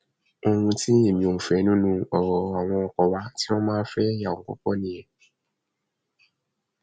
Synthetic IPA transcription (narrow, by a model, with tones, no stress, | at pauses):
o˧ŋũ˧ti˦e˨mĩ˨o˨fɛ˨˦nũ˦nũ˧ɔ̰˨wɔ˨˦a˨w̃ɔ̃˧ɔ˨kɔ˨wa˦ti˦ɔ˦mãː˦fɛ˦ja˨o˨ɔ̰˦kɔ˦nĩ˨ɛ˨